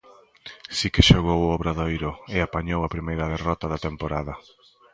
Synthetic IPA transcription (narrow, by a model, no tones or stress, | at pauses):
sikɪʃoɣowɔβɾaðojɾʊɪapaɲowɐpɾimejɾɐðerɔt̪ɐðɐt̪empoɾaðɐ